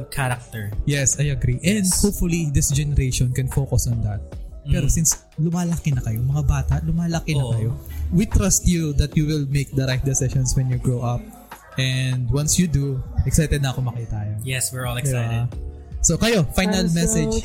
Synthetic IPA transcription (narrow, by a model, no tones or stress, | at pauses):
kʰaɾak̚t̪ɛɹjɛsajɐɡɾiʔɛnd̪hop̚fʊlid̪ɪsd͡ʒɛnɛɾeʃɔnkɛnfoːkɐsɔnd̪ɐt̪̚pɛːɾosins | lʊmaːlɐkɪnɐkɐjomɐŋabaːt̪ɐʔlʊmaːlɐkɪnɐkɐjowit̪ɾɐst̪jud̪ɐt̪juwɪlmek̚d̪ɐɾajfd̪ɛsɛʃɔ̃nswɛnjuɡɹoʔɐp̚ | ʔɛnd̪wɐ̃nsjud̪uʔɛksajt̪ɛd̪̚nɐɐkomɐkiːt̪ɐɐjojɛswɪɹɔlɛab | sokɐjofajnɐlmɛsɛd͡ʒ